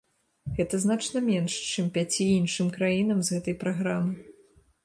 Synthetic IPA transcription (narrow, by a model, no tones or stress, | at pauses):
ɣɛt̪ɐznat͡ʂnɐmʲɛnʂt͡ʂɨmpʲat͡sʲiinʂɨmkɾajinɐmzɣɛt̪ɐjpɾaɣɾamɨ